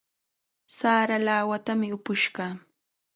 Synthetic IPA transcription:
saːɾalaːwat̪amɪʊpʊʃɢɑː

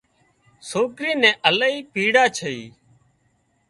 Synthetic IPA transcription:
soːkɾiːnɛ̃ːʔəlaiːpiːɽaːt͡ʃʰəḭː

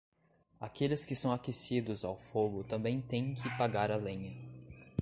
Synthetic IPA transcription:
akelɪskɪsɐ̃w̃akesid̪ʊzawfoɡʊt̪ɐ̃mbẽj̃t̪ẽj̃kʰɪpaɡaɾalẽjɐ

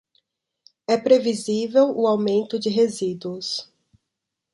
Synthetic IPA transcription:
ɛpɾevizivewʊawmẽnt̪ʊd͡ʒɪɦezid̪uʊs

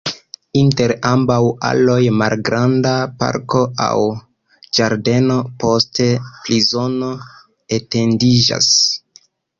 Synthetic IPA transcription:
inte̞ɾambawa̰lo̞jmalɡɾandapa̰ɾko̞ʔa̰w | d͡ʒaɾde̞no̞po̞ste̞plizo̞no̞ | ete̞ndid͡ʒa̰s

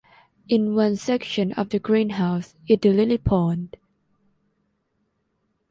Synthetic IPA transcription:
ɪ̃nwʌ̃nsɛkʃə̃nɔvðəɡɹĩnɦaʊs | ɪt̚dəlɪlipʰɔnd

